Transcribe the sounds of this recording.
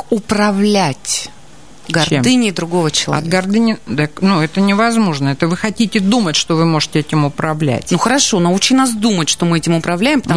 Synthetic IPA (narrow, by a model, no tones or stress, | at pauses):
ʊpɾɐvlʲætʲ | ɡɐrdmɨnʲɪːd̪ɾʊɡo̞vət͡ɕɪlˠɐɐd̪ɡɐrd̪ɨnʲɪd̪aknuɛt̪ənʲɪvɐzmo̞ʐnəɛt̪əvɨxɐtʲitʲɪd̪umətʲʂt̪ovɨmo̞ʐɨtʲɪɛtʲɪmʊpɾɐvlʲæ̰tʲnuxəɾɐʂo̞nɐut͡ɕɪnas̬d̪umətʲʂt̪o̞mɨɛtʲɪmʊpɾɐvlʲæjɪmpət̪ɐ